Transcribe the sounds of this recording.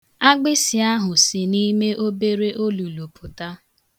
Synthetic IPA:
a˦ɡ͡bɪ˦sɪ˨a˦ɦʊ˨sɪ˨ni˦me˦ʔo˦be˦ɾe˦ʔo˦lu˨lu˨pʰʊ˨ta˦

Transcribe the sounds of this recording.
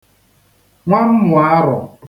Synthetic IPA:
ŋʷa˦m̩˦mʊ˨a˦ɾʊ˨

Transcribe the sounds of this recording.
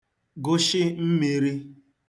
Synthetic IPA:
ɡʊ˦ʃɪ˦m̩˦mi˨ɾi˦

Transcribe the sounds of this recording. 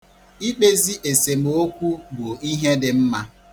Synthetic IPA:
i˦k͡pe˦zi˦ʔe˨se˨m˨o˦kʷu˦bo˨i˦ɦe˦dɪ˨m̩˦ma˦

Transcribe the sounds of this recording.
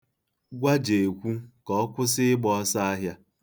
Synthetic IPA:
ɡʷa˦d͡ʒe˨kʷu˦kɔ˨˦kʷʊ˦s̬ɪ˦ɪ˦ɡ͡bɔ˨˦sa˦a˦ɦja˦

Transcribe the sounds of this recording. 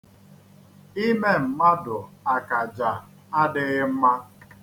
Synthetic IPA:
i˦me˦m̩˨ma˦dʊ˨a˨ka˨d͡ʒa˨ | a˦dɪ˦ɣɪ˦m̩˦ma˦

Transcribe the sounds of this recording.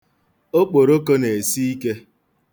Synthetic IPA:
o˦k͡po˨ɾo˦ko˦ne˨si˦i˦ke˦

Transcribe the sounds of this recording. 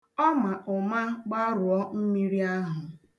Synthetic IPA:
ɔ˦ma˨ʔʊ˨ma˦ɡ͡ba˦ɾʊ˨ɔ˦m̩˦mi˦ɾi˦a˦ɦʊ˨

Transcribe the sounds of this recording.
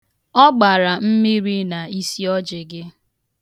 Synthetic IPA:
ɔ˦ɡ͡ba˨ɾa˨m̩˦mi˦ɾi˦na˨i˦si˦ɔ˦d͡ʒɪ˨ɡɪ˦

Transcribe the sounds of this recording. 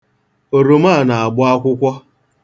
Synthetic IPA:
o˨ɾo˨ma˦˨na˨a˨ɡ͡bʊ˦a˦kʷʊ˦kʷɔ˦

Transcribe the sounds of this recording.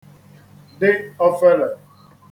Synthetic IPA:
de˦ɔ˦fɛ˦la˨

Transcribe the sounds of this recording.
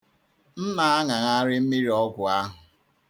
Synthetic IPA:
m̩˦ma˨a˦ŋa˨ŋa˦ɾɪ˦m̩˦mi˦ɾi˨ɔ˦ɡʷʊ˨a˦ɦʊ˨

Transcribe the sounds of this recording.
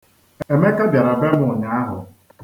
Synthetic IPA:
e˨me˦ka˦bʲja˨ɾa˨be˦mʊ˦˨ɲa˨˦a˦ɦʊ˨

